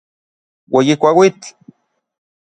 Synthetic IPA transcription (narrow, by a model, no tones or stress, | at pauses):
wejikʷawit͡ɬ